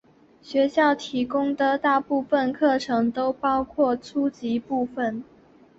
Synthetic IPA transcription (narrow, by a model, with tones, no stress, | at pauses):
ɕɥɛ˧˥ɕjɑ˥˩ʊt̪ʰi˧˥kʊ˥ŋd̪ə˨t̪a˥˧pu˥˧fə˥˧nkʰɤ˥˩ʈ͡ʂʰɤ˧˥ŋt̪o˥ʊpɑ˥ʊkʰwɔ˥˩t͡sʰu˥t͡ɕi˧˥pu˥˧fə˩n